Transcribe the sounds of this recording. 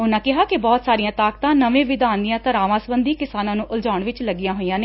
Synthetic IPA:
ʊnãːkɪɦaːkɪbɔːt̪saːɾijãːt̪aːkt̪ãːnəʋẽːʋɪd̪aːnd̪ijãːt̪əɾaːʋãːsəbənd̪iːkɪsaːnãːnũːʔʊld͡ʒaːʊɳʋɪt͡ʃləɡːijãːɦoːijãːneː

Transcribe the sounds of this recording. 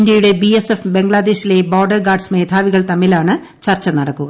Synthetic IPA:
ndjɐjuɽe̞biesefbe̞ŋɡɭaːd̪e̞ːɕile̞boːrɖɐrɡaːrɖsmeːd̪ʰʱaːʋiɣɐɭt̪ɐmːilaːɳɨ | t͡ɕɐrt͡ɕːɐnɐɽɐkːuɣɐ

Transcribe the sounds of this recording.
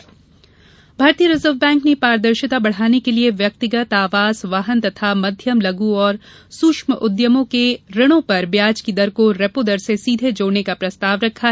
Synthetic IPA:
bʱaːɾt̪iəɾɪzəɾʋbɛ̃ːŋknepaːɾd̪əɾʃɪt̪abɐɽ̤aːnekelieʋjɐk̚t̪ɪɡət̪aːʋaːzʋaɦənt̪ɐt̪ʰamɐd̪ʱjəmlɐɡuɔːɾ | suːkʃməʔʊd̪jəmõkeɾɐɽ̃õpɐɾbjaːd͡ʒkid̪ɐɾkoɾɛpod̪ɐɾsesiːd̪ʱed͡ʒoːɽnekapɾɐst̪aːʋɾɐkʰːaɦɛ

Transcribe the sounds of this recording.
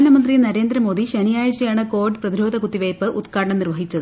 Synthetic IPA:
ɐnɐmɐnd̪rinɐɾe̞ːnd̪ɾɐmo̞ːd̪iɕɐnijaːjɐt͡ɕːɐjaːɳɨko̞ːrɖɨprɐðiɾo̞ːd̪ʱɐkut̪ːiʋejpːɨʔut̪kaːɽɐɳɐmnirʋɐɦit͡ɕːɐðɨ

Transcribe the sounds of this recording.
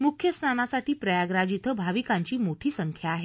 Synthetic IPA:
mukʰjəsnanasaʈiːpɾəjaɡɾad͡ʑit̪ʰəbʱaʋikaɲt͡ɕiːmoʈʰiːsəŋkʰjaːɦe

